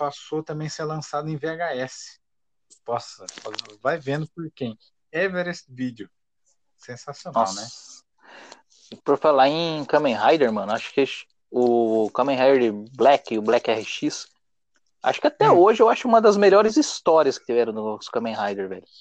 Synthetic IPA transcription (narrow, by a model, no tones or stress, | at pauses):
pasot̪ɐ̃mbẽj̃seɾlɐ̃sad̪ʊẽj̃veaɡaɛsɪ̥ | pɔsɐfazvajvẽnd̪ʊpoɾkẽj̃ | ɛveɾesvid͡ʒɪʊ | sẽsasionawnɛ | poɾfalaẽj̃kɐ̃mẽj̃ɦajd̪eɾmɐ̃nʊaʃʊ̥kɪ | ʊkɐ̃mẽɦajd̪eɾɪblɛkɪʊblɛkɛhɪʃis | a̰ʃʊ̥kɪat̪ɛoʒɪewaʃʊũmɐd̪ɐzmeʎɔɾɪzist̪ɔɾiɐskɪ̥t͡ʃ̪ivɛɾɐ̃w̃d̪ʊnɔsʊ̥kɐ̃mẽɦajd̪eɾvɛ̰ʎʊ